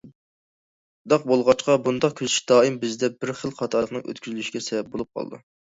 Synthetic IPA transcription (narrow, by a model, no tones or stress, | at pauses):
d̪ɑq̚bolˠʁɑt͡ʃqɑbund̪ɑq̚kʲʰøzyʃd̪ɑːimbɪzd̪ɛbɪɾχəlˠqʰɑt̪ʰɑɾlˠəqnɨŋø̰t̪kʲyzlyʃiɡʲɛsɛvɛp̚bolˠup̚qʰɑ̰lˠɨ̰d̪ṵ